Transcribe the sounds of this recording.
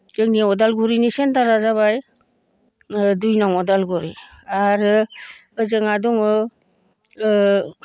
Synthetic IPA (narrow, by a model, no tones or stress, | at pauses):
d͡ʒɯŋniɔdalɡuɾinisentaɾazaβaj | dujnaŋɔdalɡɔɾi | aɾɯɯzɯŋadɔŋɯ